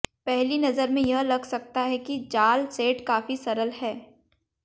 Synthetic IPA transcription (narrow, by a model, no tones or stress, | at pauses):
pɛɦlinɐzəɾmẽjɐɦlɐɡsɐk̚t̪aɦɛkid͡ʒaːlseːʈkaːfisɐɾəlɦɛː